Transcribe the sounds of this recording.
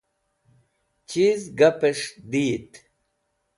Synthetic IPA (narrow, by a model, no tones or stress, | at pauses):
t͡ɕizɡɐpeʂd̪iːt̪